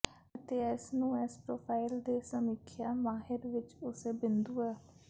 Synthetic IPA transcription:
ət̪eːɪsnũːɛspɾoːpʰaːɪld̪eːsəmɪkʰːjaːmaːɦɪɾʋɪt͡ʃʊseːbɪnd̪uːɛː

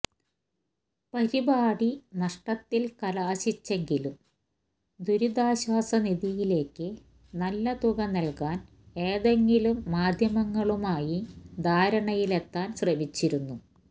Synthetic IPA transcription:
pɐɾibaːɽinɐʂʈɐt̪ːilkɐlaɐɕit͡ɕːe̞ŋɡilum | d̪uɾud̪aːɕwaːsɐniðijile̞ːkːɨ | nɐlːɐt̪uɣɐnɐlkaːn | e̞ːðeŋɡilumːaːd̪ʱjɐmɐŋːɐɭumaːjid̪ʱaːɾɐɳɐjile̞t̪ːaːnsrɐmit͡ɕːiɾunːu

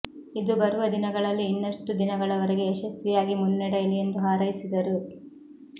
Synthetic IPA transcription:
id̪ubɐɾuʋɐd̪inɐɡɐɭɐlːiːnːɐʂʈud̪inɐɡɐɭɐʋɐɾeɡe̞ːʃɐsːijaːɡimunːɛɽɐjilije̞nd̪uɦaːɾɐjisid̪ɐɾu

